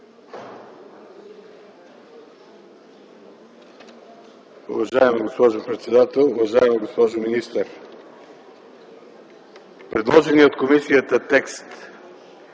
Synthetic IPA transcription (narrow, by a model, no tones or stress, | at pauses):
ʊ̰vɐʒaɛmɛɡospɔʒɛpɾɛt̪sɛd̪at̪ɛlˠʊvɐʒaɛmɛɡospɔʒominist̪əɾ | pɾɛd̪lˠɔʒɛniot̪komisijət̪ət̪ɛkst̪